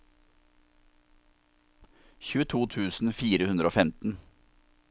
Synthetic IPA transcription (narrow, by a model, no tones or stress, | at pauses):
çʉːət̪ʰuːt̪ʰʉːsn̩fiːɾəhʉnd̪ɾəoːfɛmt̪n̩